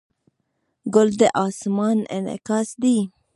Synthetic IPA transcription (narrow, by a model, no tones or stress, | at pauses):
ɡɔld̪eʔɑːsmɑːnɛ̰nɛ̰kɑsd̪iː